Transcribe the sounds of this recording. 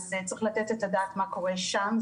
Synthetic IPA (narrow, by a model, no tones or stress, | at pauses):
zet͡sʁiχlat̪et̪et̪adaːt̪mako̞ʁeʃam